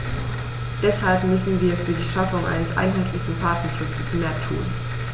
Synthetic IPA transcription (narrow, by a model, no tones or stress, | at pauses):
d̥ɛshalpmʏsn̩viːɐfyːɐdiːʃafʊŋʔa̰ɪnəsʔa̰ɪnɦaɪtʰlɪçn̩pʰaɐtnɐʃʊt͡səsmeːɐtʰṵːn